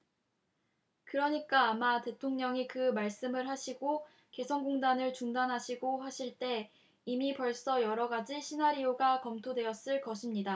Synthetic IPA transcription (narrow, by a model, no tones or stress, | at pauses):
kɯɾʌɲik͈aːmate̞tʰoŋɲʌŋikɯmaɭs͈ɯmɯɭɦaɕʰiɡo | ke̞sʰʌnɡoŋdanɯɭt͡ɕuŋdanɦaɕʰiɡohaɕʰiɭt͈e̞ | imipʌɭs͈ʌjʌɾʌɡad͡ʑiɕʰinaɾioɡakʌmtʰodwe̞ʌs͈ɯɭkʌɕʰimɲida